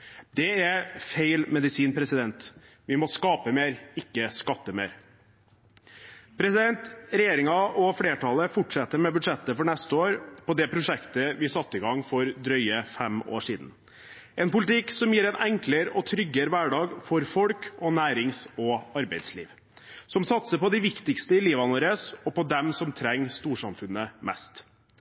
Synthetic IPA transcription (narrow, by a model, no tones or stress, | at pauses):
d̪̥ɛæfeɪlmɛd̪ɪsiːnpʰɾɛsɪd̪ɛnt̪ | ʋɪmɔskɑːpəmeːɾɪkːəskɑt̪ːəmḛːɾ | pʰɾɛsɪd̪ɛnt̪ɾɛjeːɾɪŋɑɔfleːʈʰɑləfʊʈʂɛt̪ːəɾmɛbʉd̪ʂɛt̪ːəfɔɳɛst̪əoːɾpʰɔd̪ɛpʰɾʊʂɛkt̪əʋɪsɑt̪ːɪɡɑŋːfɔɾd̪ɾœʏəfɛmo̰ːʂiːd̪n̩ | ʔɛːnpʊlɪt̪ɪksɔmjiːɾɛnʔɛŋkləɾɔt̪ʰɾʏɡːəɾʋæːɖɑːɡfɔɾfɔlkɔnæːɾɪŋsɔɑɾbæɪd̪slḭːʋ | sɔmsɑt̪səpɔd̪ɪʋɪkt̪ɪkst̪əɪliːʋɑnuːɾəsɔpɔd̪ɛmsɔmt̪ʰɾɛŋːst̪uːʂɑmfʉnːəmɛ̰st̪